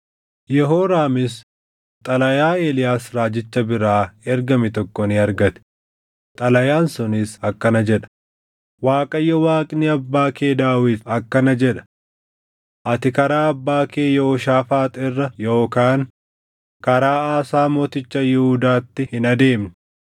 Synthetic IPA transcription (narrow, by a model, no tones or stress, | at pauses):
jɛɦoːɾaːmɪs | t̪ʼɐlɐjaːeːlɪjaːsɾaːd͡ʒɪt͡ʃːɐbɪɾaːɛɾɡɐmɪt̪ɔkːɔnɪɐɾɡɐt̪ɪ̥ | t̪ʼɐlɐjaːnsʊnɪsɐkːɐnɐd͡ʒɛᶑɐ̥ | waːkʼɐjːɔwaːkʼnɪɐbːaːkeːd̪aːwɪt̪ɐkːɐnɐd͡ʒɛᶑɐ̥ | ʔɐt̪ɪkɐɾaːɐbːaːkeːjɛɔʃaːfaːt̪ʼɪrːɐjoːkaːŋ | kɐɾaːaːsaːmoːt̪ɪt͡ʃːɐjɪhʊd̪aːt̪ːɪhɪnɐd̪e̞ːmnɪ